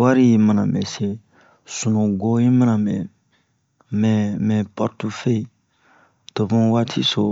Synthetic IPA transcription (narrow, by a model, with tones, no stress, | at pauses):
wa˦ɾi˦ji˨mã˨nã̰˨mɛ̰˨se˦ | sũ˨nũ˨ɡo˦ji˦mã˦nã˨mɛ˨ | mɛ˨mɛ˨pɔ˨ɾtu˦fe˦i˨ | to˨bũ˦wa˦tʰḭ˦so˨